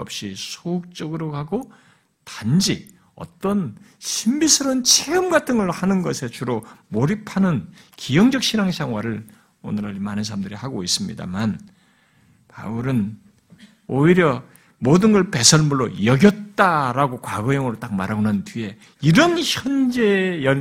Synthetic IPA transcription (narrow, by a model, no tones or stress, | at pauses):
ʌp̚ɕ͈isʰouk̚t͡ɕ͈ʌɡɯɾokaɡo | tand͡ʑi | ʌ̰t͈ʌn | ɕʰimbisʰɯɾont͡ɕʰeɯmɡatʰɯŋɯɭhanɯnɡʌsʰe̞t͡ɕuɾomoɾipʰanɯnkijʌŋd͡ʑʌk̚ɕ͈ʰinaŋsʰaŋwaɾɯɭ | o̰nɯɾʌimanɯns̬ʰaɾamdɯɾihaɡois͈ɯmɲḭda̰man | pa̰ɯɾɯn | oiɾjʌ | modɯnɡʌɭpe̞sʰʌɭmuɭːo̰jʌɡjʌt̚t͈aɾaɡokwaɡʌjʌŋɯɾot͈ak̚ma̰ɾʌnantɥie̞ | iɾʌnçjʌnd͡ʑe̞jʌ